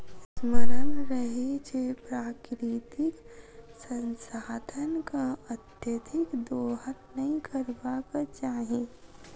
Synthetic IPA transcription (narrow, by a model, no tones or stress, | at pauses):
sməɾənɾəɦit͡ʃʰepɾaːkɾit̪ɪksə̃nsaːd̪ʱənkaət̪jət̪ʰɪkd̪oːɦəɾnɐɦĩkʰəɾbakat͡ʃaːɦĩ